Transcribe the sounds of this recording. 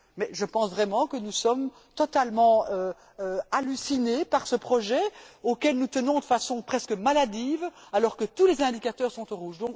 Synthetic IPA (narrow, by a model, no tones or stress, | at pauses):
mɛʒəpɑ̃svʁɛmɑ̃kənusɔm | t̪ɔt̪almɑ̃ø | øalysinepaʁsəpχɔʒɛokʲɛlnut̪ənɔ̃d̪əfasɔ̃pχɛskəmalad̪iːvalɔʁkət̪ulezɛ̃d̪ikat̪œːʁsɔ̃t̪oʁuːʒd̪ɔ̃k